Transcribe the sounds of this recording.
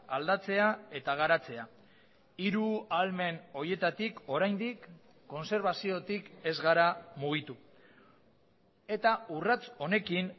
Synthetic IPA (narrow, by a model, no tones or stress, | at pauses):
ald̪at͡se̞ae̞t̪aɣ̞aɾat͡se̞a | iɾualme̞no̞ɾje̞t̪at̪iko̞ɾajnd̪ikː | o̞nse̞ɾβasio̞t̪ike̞zɣaɾamuɣ̞it̪u | e̞t̪aurat͡so̞ne̞kin